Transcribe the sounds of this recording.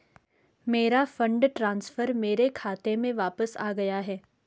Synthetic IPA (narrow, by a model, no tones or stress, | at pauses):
meːɾafɐ̃ɳɖʈɾãːnsfəɾmeːɾekʰaːt̪emẽʋaːpəsa̰ːɡɐjaɦɛː